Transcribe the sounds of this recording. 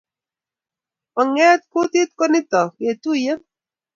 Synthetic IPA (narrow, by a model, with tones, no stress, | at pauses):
ɔ˨ŋɛ˦t̪̚ku˦t̪i˦t̪̚ko˦ni˦tɔ˨kje˨tu˦˨je˦m